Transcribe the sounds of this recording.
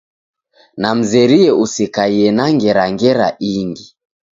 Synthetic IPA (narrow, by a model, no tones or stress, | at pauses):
nam̩zɛɾiɛʔusikaiɛnaŋɡɛɾaŋɡɛɾaʔiŋɡi